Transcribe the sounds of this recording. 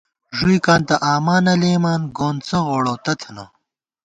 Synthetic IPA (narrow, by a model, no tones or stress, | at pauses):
ʐujkaːnt̪ɐʔaːmaːnɐleːmaːnɡoːnt͡sɐɣoːɽoːt̪ɐt̪ʰɐno̰